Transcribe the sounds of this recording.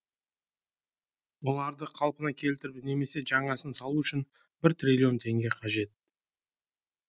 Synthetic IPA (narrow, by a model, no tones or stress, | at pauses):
wo̞lˠɑɾd̪əqʰɑlˠpənɑkʲʰe̞lt̪ɪɾbne̞me̞se̞ʒɑɴɑsənsɑlˠuʏʃɪn | bɪɾt̪rʲilʲːio̞nt̪ʰe̞ŋɡʲe̞qʰɑʒe̞t̪̚